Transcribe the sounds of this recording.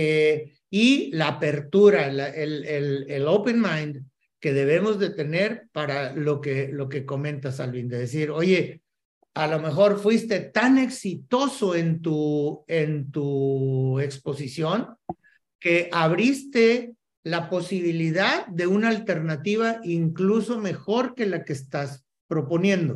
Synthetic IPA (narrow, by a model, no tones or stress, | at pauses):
e | ilaːpe̞ɾt̪uɾalaʔelelelowpenmãjnd̪ | ke̞ðe̞β̞e̞mo̞zðe̞t̪e̞ne̞ɾpaɾalo̞kelo̞ke̞ko̞mẽ̞nt̪asalβind̪eðesiɾo̞ʝe̞ | alo̞me̞xo̞ɾfwist̪e̞t̪ane̞ksit̪o̞so̞e̞nt̪uent̪u | e̞kspo̞sisjo̞ŋ | ke̞ʔaβɾist̪e̞ | lapo̞siβiliðaðːe̞unaːlt̪e̞ɾnat̪iβaʔiŋkluso̞me̞xo̞ɾke̞lakest̪as | pɾo̞po̞njẽ̞nd̪o̞